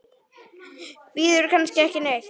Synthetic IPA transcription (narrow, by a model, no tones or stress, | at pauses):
viðʏɾkʰanscɪɛhcɪnex